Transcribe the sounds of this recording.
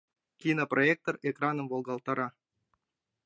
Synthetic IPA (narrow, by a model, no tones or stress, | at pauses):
kʲinoproek̚t̪orekrɑnəmvolˠɡɑlˠt̪ɑɾɑ